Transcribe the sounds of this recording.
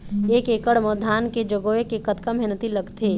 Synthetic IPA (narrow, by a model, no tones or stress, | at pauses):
eːkekəɽməd̪ʱaːnked͡ʒəɡoekekət̪kamʱenət̪iləɡt̪ʰeː